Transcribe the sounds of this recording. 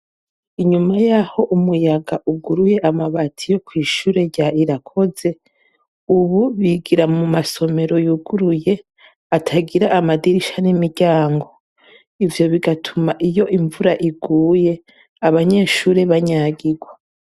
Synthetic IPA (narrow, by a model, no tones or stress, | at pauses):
iɲumajaho̞ʔumujaɡaʔuɡuɾuje̞ʔamaβatʰijo̞kwiːʃuːɾe̞ɾɟaiɾakʰo̞ze̞ | uβuβiɡiɾamumaso̞me̞ɾo̞juɡuɾuje̞ | atʰaɡiɾaʔːmadiɾiʃanimiɾɟaːŋɡo̞ | ivjo̞βiɡatʰumaʔijo̞ʔiɱvuɾaʔiɡuːje̞ | aβaɲe̞ːʃuːɾeβaɲaːɡiɡwa